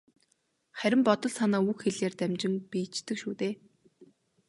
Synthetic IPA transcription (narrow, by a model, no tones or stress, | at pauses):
χæɾʲɪ̆mpɔt̪ɞ̆ɮsanaːuxxeɮeːrt̪æmʲt͡ɕɪ̆ŋpiːt͡ɕt̪ɘ̆kʃuːt̪eː